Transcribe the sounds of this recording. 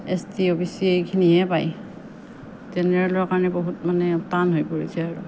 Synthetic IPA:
estiobisiejkʰiniɛpaj | zɛnɛɹalɔɹakaɹɔnɛboɦut̚manɛtanɦojpoɹisɛaɹu

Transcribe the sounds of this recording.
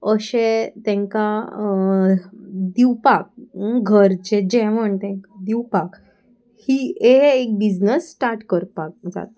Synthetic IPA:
əɕẽt̪ɛ̃ŋka | d̪iwpak̚ɡʱəɾt͡ɕed͡ʑɛʋəɳt̪ɛ̃ŋkd̪iwpak | hieɦːk̚bid͡znəsːʈaɾʈkəɾpak̚d͡za̰t̪a

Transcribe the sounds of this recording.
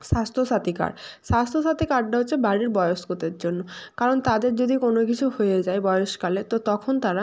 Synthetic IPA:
ʃast̪ʰoʃat̪ika̰ɾʃast̪ʰoʃat̪ikaɖ̚ɖaɦotːɕʰebaɽiɾbɔjoʃɡot̪eɾd͡ʑonːokaɾont̪ad̪eɾd͡ʑod̪ikonokit͡ɕʰuhojed͡ʑaebɔjoʃkalet̪ot̪ɔkʰont̪aɾa

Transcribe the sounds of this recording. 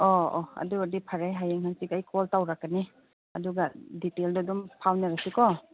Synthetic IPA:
ɔɔɐ̰duadipʰaɾajɦajeŋhansikajkʰɔltawɾakːani | ɐduɡaditeldɔdɔmpʰawnaɾasikɔ

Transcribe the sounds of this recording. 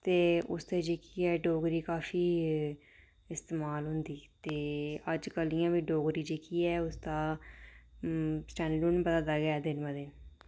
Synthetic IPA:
t̪eːʊ̰st̪eːd͡ʒeːkiːɛːɖoːɡɾiːkaːfiː | ɪst̪eːmaːlɦʊ̃nd̪iːt̪eːəd͡ʒkəlijãːʋiːɖoːɡɾiːd͡ʒeːkiːɛːʊsd̪aː | sʈɛ̃ːɖluːnbəd̪aːd̪aːɡɛːd̪ɪnbəd̪eː

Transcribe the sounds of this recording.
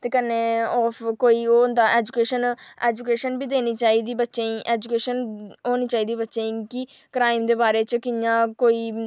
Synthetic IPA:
t̪eːkənːeːɔːpʰkoːiːoːnd̪aːʔɛːd͡ʒʊkeːʃəneːd͡ʒukeːʃənbiːd̪eːniːt͡ʃaːiːd̪iːbətːʃeĩːʔeːd͡ʒukeːʃənɦoːniːt͡ʃaːiːd̪iːbətːʃeːĩki | kɾaːɪmd̪eːbaːɾeːt͡ʃkɪjãːkoːiː

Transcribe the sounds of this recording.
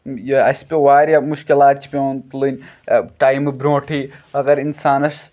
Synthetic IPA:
jɐspʲewaːɾʲamuʃkilaːt̪̚t͡ʃʰi̥pʲeoːnt̪ulɨnʲʈaːjmɨbɾõːʈʰiːɐɣɐɾinsaːnɐʃ

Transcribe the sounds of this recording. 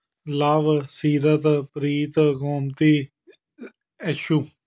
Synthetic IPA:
laːʋsiːɾət̪pɾiːt̪koːmt̪iː | əʃuː

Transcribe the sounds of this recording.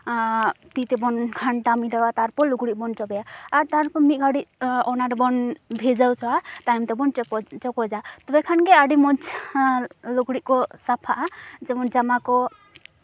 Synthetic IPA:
t̪it̪ɛbɔnkʰaɳʈamiɖawat̪aɾpɔɾluɡɽiʔ̚bɔnt͡ʃɔbɛjaaɾt̪aɾpɔɾmiɡʱaɽiʔ̚ɔnaɾɔbɔnbʱed͡ʒawt͡ʃʰɔat̪ajmt̪ebɔnt͡ʃɔkɔd͡ʒat̪ɔbɛkʰankɛaɖimɔd͡ʒ | luɡɽiʔkɔsapʰaʔad͡ʒɛbɔnd͡ʒamakɔ

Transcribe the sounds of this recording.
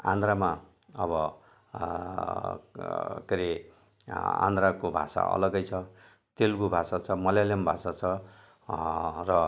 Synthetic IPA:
a̰nd̪rama | ʌβʌ | keɾe | ã̰nd̪rakobʱa̰sa̰ʌ̰lʌɡʌjt͡sʰʌ | t̪elɡubʱasat͡sʰʌmʌljalembʱasat͡sʰʌ | rʌ

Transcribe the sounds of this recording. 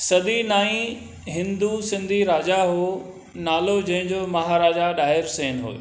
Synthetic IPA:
sɐd̪inaːĩ | ɦɪ̃nd̪usɪ̃nd̪ʱiɾaːd͡ʑaɦoː | naːlod͡ʑɐ̃ɦɪ̃ɲd͡ʑomɐɦaɾaːd͡ʑaɗaːɪɾsẽːnɦo̰ːe

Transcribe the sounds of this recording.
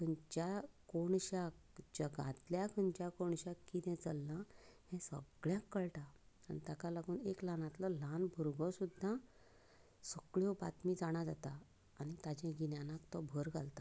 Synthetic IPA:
t̪ənt͡ɕakoɳɕak̚d͡ʑəɡã̰t̪ljakʰənd͡ʑjakoɳɕakːit̪ɛ̃t͡səlːãhɛ̃sə̰ɡɭjãkːəɭʈaː | nit̪akalaɡuːneklanat̪lɔlanbʱuɾɡɔ̃sud̪ʱːã | səkɭjɔba̰t̪miːd͡zaɽ̃ad͡zat̪aː | ñit̪ad͡ʑɛ̃ɡinjãnakt̪ɔbʱəɾɡʱalt̪a

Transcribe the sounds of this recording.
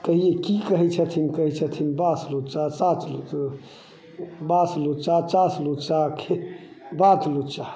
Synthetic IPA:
t̪əɦijekikəɦɛt͡ʃʰət̪ʰinkəɦɛt͡ʃʰət̪ʰinbaslut͡ʃasãt͡ʃlu | baslut͡ʃat͡ʃaslut͡ʃakʰe | bat̪lut͡ʃa

